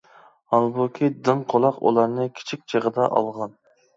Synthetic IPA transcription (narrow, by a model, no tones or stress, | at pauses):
hɑlˠbukʲʰid̪ɨŋqʰolˠɑqṵlˠɑɾnɨkʲʰi̥t͡ʃʰik̚ʲt͡ʃʰeʁəd̪ɑʔɑ̰lˠʁɑn